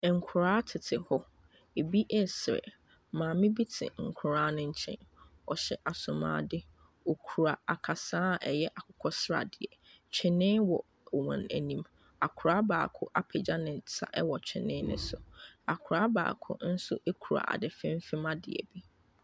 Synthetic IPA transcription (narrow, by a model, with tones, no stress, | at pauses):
ŋ̩˨kʰʊ˨ɾaː˦tʰɪ˨tʰɪ˨hɔ˦ | e˨bi˦ʔɛ˦sɪ˨ɾɪ̰˨ | mãː˨mɪ̃˦bi˦tʰɪ̰̃˨ŋ̩˨kʰʊ˨ɾaː˦nʊ̃˦ɲ̩˦t͡ɕʰɛ̰̃˦n | ɔ˨ɕɛ˨ʔa˨sʊ̃˨mã̰ː˨˦dɪ˦ | o˨kʰu˨ɾa˨a˨kʰa˨sãː˦˨ʔɛ˨jɛ˦ʔa˨kʰʊ̥˨kʰɔ˦sɾa̰˨dɪ˨ɛ˨ | t͡ɕʰɛ̃˨nɪ̃˦wɔ˨ | wɔ̰̃˨næ̰˨nĩ˦m | a˨kʰʊ˨ɾaː˦ba̰ː˨kʰʊ˦ʔa˦pʰɛ˨d͡ʑa˦nɪ̃˨sa̰˦ʔɛ˦wɔ˨t͡ɕᶣʰɛ̰̃˨nɪ̃˦nʊ̰̃˦sʊ˨a˨kʰʊ˨ɾaː˦ba̰ː˨kʰʊ̰˦n̩˦sʊ̰˦ʔe˦kʰu˨ɾa̰˨ʔa̰˨dɪ˨fɛ̃˦m˦fɪ˦mã˦dɪ˨ɛ̰˨bi˦